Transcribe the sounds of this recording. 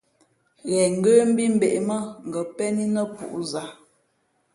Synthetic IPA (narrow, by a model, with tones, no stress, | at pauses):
ɣɛ˨ŋ̩˨ɡə˦m̩˦bi˦m̩˦be˨ʔmə˦ŋ̩˨ɡə˨pɛ˦ni˦nə˦pṵ˨ʔza˨